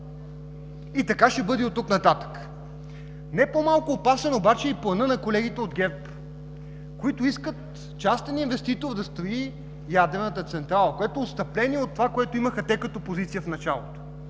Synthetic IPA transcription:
it̪ɐkaʃɛbɤd̪ɛot̪ːuknɐt̪at̪ə̥k | nɛpomalˠkʊːpasɛnobat͡ʃɛiplˠɐnɤnɐkolɛɡ̟it̪ɛod̪ɡʲɛp | koit̪ʊiskət̪ | t͡ʃast̪ɛninvɛst̪it̪oɾd̪ɐst̪ɾoi | jad̪ɾɛnət̪ət̪sɛnt̪ɾalˠəkoɛt̪oost̪ɐplɛniɛot̪ːovakoɛt̪oiməxət̪ɛkət̪opozit̪sijəfnɐt͡ʃa̰lˠo̰t̪o̥

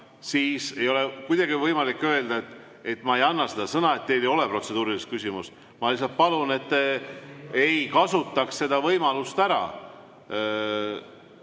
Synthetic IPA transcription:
siːse̞jo̞lekujd̪̥ɑɡivɤjmɑlikːø̞e̞ld̪ɑet̪ː | e̞t̪ːmɑe̞jɑnːɑsed̪̥ɑsɤnɑe̞t̪ːejlejo̞le̞pro̞t̪se̞d̪uːɾilist̪kysʲimus | mɑlis̬ːɑlt̪̚pɑlune̞t̪ː | ejkɑsut̪ːˑɑksːe̞d̪̥ɑvɤjmɑlust̪æɾɑ̰

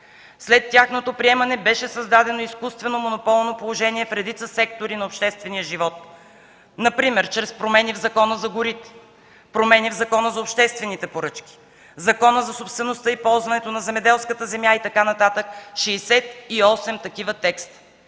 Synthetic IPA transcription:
slɛt̪ːʲaxnot̪opɾiɛmɐnɛbɛʃɛsəzd̪ad̪ɛnoiskust̪vɛnomonopɔlˠnopolˠoʒɛniɛfɾɛd̪it̪səsɛk̚t̪oɾinɐopʃt̪ɛst̪vɛnijəʒivɔt̪̚ | nɐpɾimɛɾt͡ʃɾɛspɾomɛnivzɐkɔnəzɐɡʊɾit̪ɛ̥ | pɾomɛnivzɐkɔnəzɐopʃt̪ɛst̪vɛnit̪ɛpoɾɤt͡ʃkʲi̥ | zɐkɔnəzɐsopst̪vɛnost̪əipɔlˠzvɐnɛt̪onɐzɛmɛd̪ɛlˠskət̪əzɛmjait̪ɐkanɐt̪at̪əkʃɛːsɛt̪iɔsɛmt̪ɐkivət̪ɛkst̪

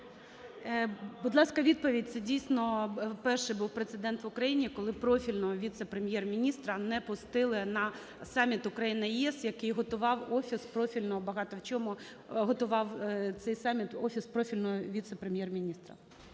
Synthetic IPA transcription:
bʊd̪lˠɑskɐʋʲid̪̚pɔʋʲid̚ʲt̪sɛdʲijsʲnɔpɛrʃɪbuwpɾet̪sɪd̪ɛnt̪ʋʊkɾɐjinʲikɔlˠɪpɾɔfʲilʲnɔɦɔʋʲit̪sɛpɾemʲjɛrmʲinʲist̪ɾɐnɛpʊst̪ɪlˠɪnɐ | sɑmʲit̪ʊkɾɐjinɪjiɛsjɐkɪjɦɔt̪ʊʋɑwɔfʲispɾɔfʲilʲnɔɦɔbɐɦɑt̪ɔwt͡ʃɔmʊ | ɦɔt̪ʊʋɑwt̪sɛjsɑmʲit̪ɔfʲispɾɔfʲilʲnɔɦɔʋʲit̪sɛpɾemʲjɛrmʲinʲist̪ɾɐ̰

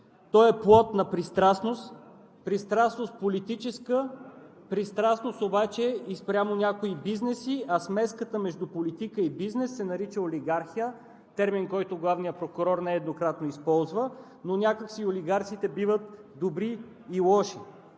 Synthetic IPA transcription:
t̪ɔɛplˠɔt̪nɐpɾist̪ɾasnost̪ | pɾist̪ɾasnost̪̚polit̪it͡ʃɛskə | pɾist̪ɾasnost̪obat͡ʃɛispɾʲjamonʲakoibiznɛsiʔɐsmɛskət̪əmɛʒd̪upolit̪ikəibiznɛsːɛnɐɾit͡ʃəolʲiɡaɾxijə | t̪ɛɾminkɔjt̪ʊɡlˠavnijəpɾokʊɾɔɾnɛːd̪nokɾat̪noispɔlˠzvə | nonʲakəksioliɡaɾt̪sit̪ɛbivət̪d̪obɾiː | lˠɔʃi

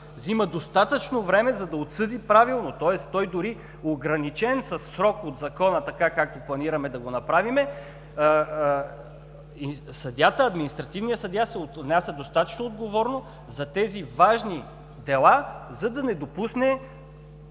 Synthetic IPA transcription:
ziməd̪ost̪at̪ət͡ʃnovɾɛmɛzɐd̪ɐot̪sɤd̪ipɾavilˠnot̪ɔɛst̪ɔjd̪ʊɾi | oɡɾɐnit͡ʃɛnsɐsːɾɔkot̪zɐkɔnət̪ɐkakak̚t̪oplˠɐniɾɐmɛd̪ɐɡonɐpɾavimɛ | sɐd̪ʲjat̪əɐd̪minist̪ɾɐt̪ivnijəsɐd̪ʲjasɛot̪nʲasɐd̪ost̪at̪ə̥t͡ʃnoːd̪ɡovɔɾno | zɐt̪ɛzivaʒni | d̪ɛlˠazɐd̪ɐnɛd̪opusnɛ

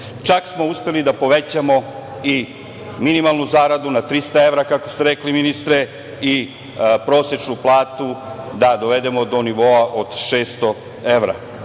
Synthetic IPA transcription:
t͡ʃaksmo̞uspe̞lid̪apo̞ʋet͡ɕamo̞ | i | minimalˠnuzaːɾad̪unat̪ɾist̪ae̞ʋɾakako̞st̪eɾe̞kliminist̪ɾe | i | pɾo̞ːsje̞t͡ʃnuplˠaːt̪ud̪ad̪o̞ʋed̪e̞mo̞d̪o̞niʋo̞aʔo̞d̪̥ʃe̞ːst̪o | e̞ʋɾa̰

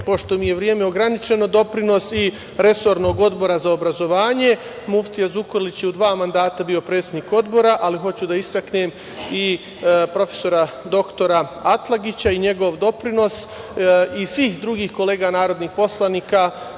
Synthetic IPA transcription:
po̞ʃt̪omije̞ʋɾjeːmeo̞ɡɾanit͡ʃe̞no̞d̪o̞pɾino̞si | ɾe̞so̞ɾno̞ːɡo̞d̪bo̞ɾazao̞bɾazo̞ʋaːɲe̞ | muft̪ijazukoɾlit͡ɕjeud̪ʋaːmand̪aːt̪abio̞pɾet̪sed̪niːko̞d̪bo̞ɾaʔaliɦo̞t͡ɕud̪aist̪aknem | i | pɾo̞fe̞̥so̞ɾa | d̪o̞kt̪o̞ɾaat̪lˠaɡit͡ɕaiɲe̞ɡo̞ʋd̪o̞pɾino̞s | isʋiːxd̪ɾuɡiːxko̞le̞ːɡanaːɾo̞d̪niːxpo̞slˠaniːka

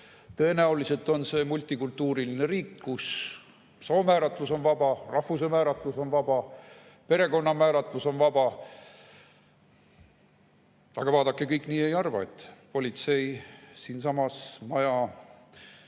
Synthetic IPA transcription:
t̪ɤ̞e̞næulise̞lt̪ːˑo̞nse̞ːmulʲt̪ːˑikult̪ːˑuːɾiline̞ɾiːkːkus | soːmæːɾɑt̪ːˑluso̞nvɑb̥ɑrɑhvus̬emæːɾɑt̪ˑluso̞nvɑb̥ɑ | pe̞ɾe̞ko̞nːɑmæːɾɑt̪ːˑluso̞nvɑb̥ɑ | ɑ̰ɡ̥ɑvɑːd̪ɑkːˑekɤjkːˑniːe̞jɑrvɑ̰e̞t̪ːˑpo̞lʲit̪se̞jsiːnsɑmɑsmɑjɑ

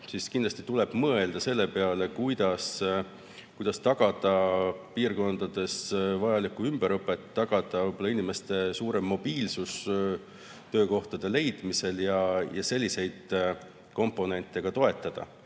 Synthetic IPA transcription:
siskind̪lɑst̪i̥t̪ule̞b̥mɤe̞ld̪̥ɑse̞lːe̞peɑle̞kujd̪̥ɑs | kujd̪̥ɑst̪ɑɡ̥ɑd̪̥ɑpiːrko̞nd̪̥ɑd̪̥e̞svɑjɑlikːˑuymb̥eɾɤpːˑe̞t̪ːɑɡ̥ɑd̪̥ɑvɤjb̥o̞lːɑinime̞st̪e̞suːɾe̞mːo̞b̥iːlsus | t̪ø̞ːko̞ht̪ɑd̪̥e̞le̞jd̪̥mise̞ljɑjʔɑse̞lʲːise̞jd̪̥ | ko̞mpːˑo̞ne̞nt̪ːˑe̞ɡ̥ɑt̪o̞e̞t̪ːˑɑd̪̥ɑ̰

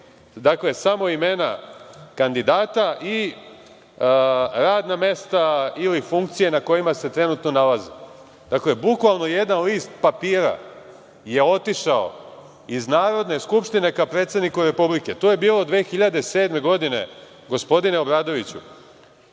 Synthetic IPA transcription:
d̪akle̞samo̞ime̞nakand̪id̪aːt̪aʔi | ɾaːd̪name̞st̪ailifuŋkt̪sije̞nako̞jimase̞t̪ɾe̞nut̪no̞nalazi | d̪̥akle̞bukʋalno̞je̞d̪nanlist̪papiːɾa̰ | je̞o̞t̪iʃao̞̰ | iznaːɾo̞d̪ne̞skupʃt̪ine̞kapɾe̞ːt̪sed̪nikuɾe̞publike̞t̪oːje̞biːlod̪ʋeːxiʎad̪e̞se̞ːd̪me̞ɡo̞d̪ine̞̰ | ɡo̞spo̞d̪ineo̞bɾaːd̪o̞ʋit͡ɕṵ

